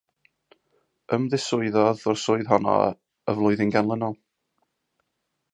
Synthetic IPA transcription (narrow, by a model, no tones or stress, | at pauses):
əmðɪsʊɨðɔðɔrsʊɨðɦɔnɔ̰ | əvlˠʊɨðɪnɡanlˠənɔlˠ